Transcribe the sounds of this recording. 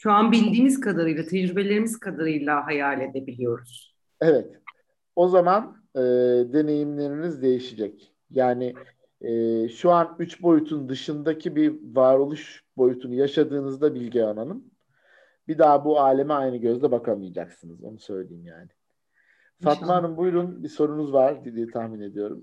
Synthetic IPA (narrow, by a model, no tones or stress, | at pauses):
ʃuanbilʲd̪iːmiz̥kʰad̪aɾɯjlˠat̪ʰed͡ʒɾybe̞lʲe̞ɾimiz̥kʰad̪aɾɯjlˠaɦajaːlʲe̞d̪e̞bilʲijo̞ɾuz̥ | evɛt̪ | o̞zaman | ɯːd̪e̞ne̞jimlʲe̞ɾinizd̪e̞jiʃid͡ʒɛc | jaːnɪː | ʃuanyt͡ʃbo̞jut̪ʰund̪ɯʃɯnd̪acʰibivaːɾolˠuʃ | bo̞jut̪ʰunujaʃad̪ɯːnɯzd̪abilʲɟɛananɯm | bid̪aːbuaːlʲe̞miajnɯɟø̞zd̪ɛbakʰamijad͡ʒa̰ksɯnɯzo̞̰nusø̞jlʲḛjːimjaːnɪ | fat̪manɯnbujɾunbiso̞ɾunuzvaɾ̥d̪ed̪iːt̪ʰahmine̞d̪ijo̞̰ɾṵm